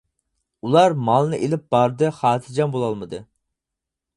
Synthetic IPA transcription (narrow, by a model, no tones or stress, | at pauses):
ulˠɑɾmɑlˠnɨʔelɪp̚b̥ɑɾd̪ɨχɑːt̪ʰɨd͡ʒɑmbolˠɑlˠmɨd̪ɨ